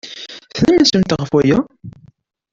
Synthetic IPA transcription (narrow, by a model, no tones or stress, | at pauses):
θnəmənsəmt̪ʁəfwæjæ